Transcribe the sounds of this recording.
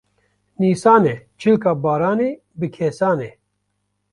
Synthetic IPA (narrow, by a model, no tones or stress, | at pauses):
niːsaːnɛt͡ʃʰɨlkaːbaːɾaːne | bɨkʰeːsaːneː